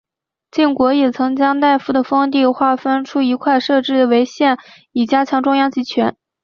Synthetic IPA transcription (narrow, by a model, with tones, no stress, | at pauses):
t͡ɕi˥˩ŋkwɔ˧˥jɛ˨˩t͡sʰɤ˧˥ŋt͡ɕjɑ˥ŋt̪a˥˧ɪfu˥˩d̪ə˩fɤ˥ŋt̪i˥˧xwa˥˩fə˥nʈ͡ʂʰu˥i˧˥kʰwa˥˧ɪʂɤ˥˧ʈ͡ʂɻ̩˥˩d̪ə˩we˧˥ɪɕjɛ˥˩n | i˨˩t͡ɕja˥t͡ɕʰjɑ˧˥ŋʈ͡ʂʊ˥ŋjɑ˥˩ŋt͡ɕi˧˥t͡ɕʰɥɛ˧˥n